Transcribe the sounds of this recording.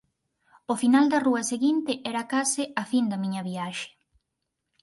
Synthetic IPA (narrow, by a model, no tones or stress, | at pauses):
ofinald̪ɐruɐseɣint̪ɪʔɛɾakasɪafind̪ɐmiɲɐβiaʃe̥